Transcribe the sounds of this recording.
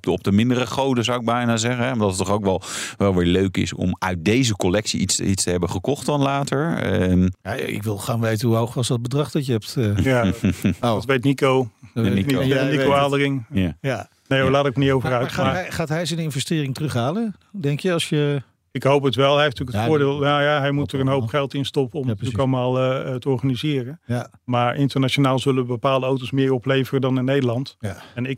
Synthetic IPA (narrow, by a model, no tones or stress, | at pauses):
ɔp̚dəmɪndərəχowdənzawɪɡ̚bɛjnaːzɛχənɦɛmaɹdɑtətːɔχowkʋɛlˠʋɛlˠʋɪːɹløɥkɪ̰sɔ̰mœɥt̚dejzəkolɛksiitsitstəɦɛbəχəkɔχtdɑnlaːtəɹəjaɪ̰kʋɪlˠχaːnʋejtənɦuowχʋɑsdɔd̚bədrɑχdɔtjəɦɛp̚t | otʋejtnikoninikoaːdərɪŋjaja | nejolaːtɪk̚mənitowvərœɥtːmaχaːtɦɛjzɛnɪnvəstɪːrɪŋtrɵχɦaːlə | dɛŋkjəɑsjə | ɪkɦowpətʋɛlˠɦɛeftyːkəfʊːɹdɪːlˠjajaɦɛjmutərənɦowpχɛlˠtɪnstɔpəɔmtykɑləmaːlˠətəɔɹχanizɪːrən | maːɹʔɪntəɹnaʃonaːlˠzɵləʋəbəpaːlˠdəowtowsmɪːrɔplejvərədɑnɪnːejdəlɑntɛnɪk̚